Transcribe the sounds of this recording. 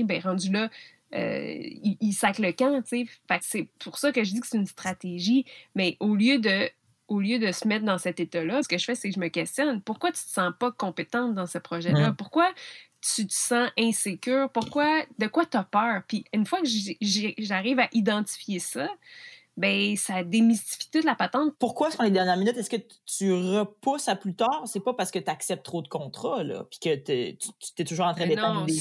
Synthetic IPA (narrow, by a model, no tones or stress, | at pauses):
bɛ̃ʁɑ̃zylʌ | ø̰iːsakləkãt͡sefaksepʰʊʁsʌkəʒədd͡zikset̪ynst̪χat̪eʒimɛʔoljød̪ə | oljød̪əsəmɛt̪̚d̪ɑ̃sɛt̪et̪ʌlʌskəʒəfɛsekʒəməkʲɛst̪jɔnpʊʁkwat̪y̥t̪ə̥sɑ̃pʌkɔ̃pet̪ɑ̃t̪d̪ɑ̃səpχɔʒɛlʌpʊʁkwat̪yt̪ə̥sɑ̃ʔɛ̃sekʲøːʁpʊʁkwad̪əkwat̪apœːʁpiynfwakəʒʒʒaʁiːvaʔid̪ɑ̃t̪i̥fjesʌ | bɛ̃sad̪emist̪i̥fi̥t̪ʊt̪lapat̪ɑ̃t̪̚pʊʁkwasfɔ̃led̪ɛʁnjɛʁminyt̪ɛskə | t̪yʁəpusaplyt̪ɑːʁsɛpɔpaʁsə̥kət̪yaksɛp̚t̪ːχod̪əkɔ̃t̪χɔlʌ̰pi̥kət̪et̪yt̪y̥t̪ɛt̪uʒuːʁɑ̃t̪ʁɛ̃d̪eñ